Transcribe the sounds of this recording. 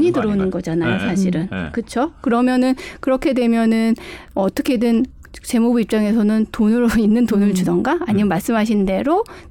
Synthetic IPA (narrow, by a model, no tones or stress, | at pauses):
ɲidɯɾʌunɯnɡʌd͡ʑanajosʰaɕ̬ʰiɾɯnkɯt͡ɕʰokɯɾʌmjʌnɯnkɯɾʌkʰe̞dwe̞mjʌnɯnʌt͈ʌkʰe̞dɯn | t͡ɕe̞mubuip̚t͡ɕ͈aŋe̞sʰʌnɯntonɯɾoinːɯntonɯɭt͡ɕudʌŋɡaːɲimjʌmaɭs͈ɯmɦaɕ̬ʰinde̞ɾo